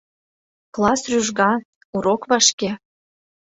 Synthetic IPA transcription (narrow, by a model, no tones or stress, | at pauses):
klˠɑsryʒɣɑ | uɾokβɑʃke